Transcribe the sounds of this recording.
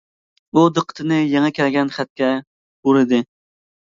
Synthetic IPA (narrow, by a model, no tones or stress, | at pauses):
ud̪əqʰːə̥t̪ʰɨnɨjɛŋɛkʲɛlɡʲɛnχæt̪̚kʲɛ | uɾɨd̪ɨ